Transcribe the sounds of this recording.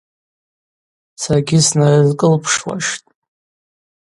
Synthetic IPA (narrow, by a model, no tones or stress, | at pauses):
sarɡʲɪsnarazkʼɨlpʰʂwa̰ʃtʼ